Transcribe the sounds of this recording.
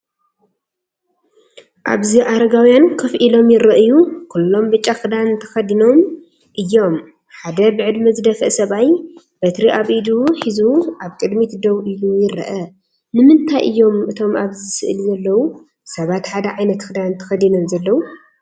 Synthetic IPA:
ʔa̰βziʔaɾɐɡawjankʰɐfʔilo̞mjɪɾɐʔɨjukʰulːo̞mbɨt͡ʃʼːaxɨd̪anɨnt̪ʰɐ̥xɐd̪ino̞m | ʔɨjːo̞m | ħad̪ɐbɨʕɨd̪mɨzɨd̪ɐfɨ̰sɐβaj | b̥ɐt̪ɾiʔaβid̪uħizuʔaβkʼɨd̪mit̪ʰd̪oβɨjujɪɾɐ̰ʔɐ | nɨmɨnt̪ʰajʔɨ̰jːo̞mʔɨt̪ʰo̞maβzɨsɨ̰ʔɨlzɐlːɐwu | sɐβat̪ħad̪ɐʕajnɐt̪kɨd̪anɨnt̪ʰɐ̥xɐd̪ino̞mzɐlːɐwu

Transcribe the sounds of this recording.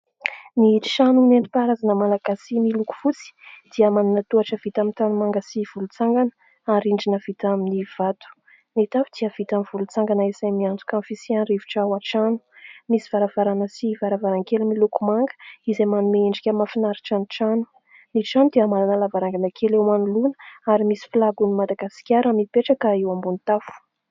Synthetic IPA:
niʃanunent̪i̥paɾazanəmalaɡasimiluku̥fut͡si̥d̪̥iəmananət̪uaʈ͡ʂəv̥it̪amint̪anumaŋɡəsiv̥ulut͡saŋɡanə̥ | aɾiɳɖ͡ʐinəv̥it̪aminiv̥at̪u̥ | net̪avid̪̥iəv̥it̪amiv̥ulut͡saŋɡanəesajmiand͡zu̥kamfisianɾiviʈ͡ʂawaʈ͡ʂanu̥misiv̥aɾav̥aɾanəsivaɾavaɾaŋkelimilukumaŋɡə̥izajmanumeeɳɖ͡ʐikʲəmafinaɾiʈ͡ʂaniʈ͡ʂanu̥ | niʈ͡ʂanud̪eamaɾanəlavaɾaŋɡanəkʰelewmanulunə̥aɾimisi̥flaɡunimad̪aɡasi̥kʲaɾamipeʈ͡ʂakəewambunt̪afu̥

